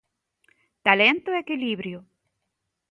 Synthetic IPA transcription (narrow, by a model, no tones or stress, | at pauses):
t̪alent̪oekiliβɾjo